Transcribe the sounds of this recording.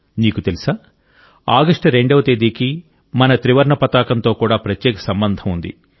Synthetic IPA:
niːkut̪elisaː | aːɡɐʂʈɾe̞ɳɖɐʋɐt̪eːd̪iːki | mɐnɐt̪ɾiʋɐɾɳɐpɐt̪aːkɐnt̪o̞ːkuːɽaːpɾɐtjɛːkɐ̥sɐmbɐnd̪ʱɐmund̪ḭ

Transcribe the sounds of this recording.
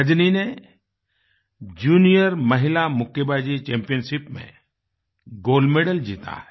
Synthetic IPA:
əd͡ʒnine | d͡ʒuːnijəɾməɦɪlamʊkebaːd͡ʒit͡ʃeːmpijənsipmḛ̃ | ɡoːlmeɖəld͡ʒḭːt̪a̰ɦɛ

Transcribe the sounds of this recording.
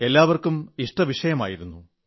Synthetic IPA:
e̞lːaːʋɐrkumiʂʈɐʋiʂɐjɐma̰ːjiɾunːu

